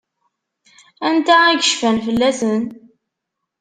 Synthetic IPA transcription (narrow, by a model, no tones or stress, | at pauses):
ænt̪æiɡəʃfænfəlːæsən